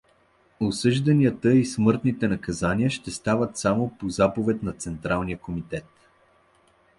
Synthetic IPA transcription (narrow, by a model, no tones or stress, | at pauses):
osɤʒd̪ɐniət̪əismɤɾt̪nit̪ɛnɐkɐzaniəʃt̪ɛst̪avət̪samopozapovɛt̪nɐt̪sɛnt̪ɾalˠnijəkomit̪ɛt̪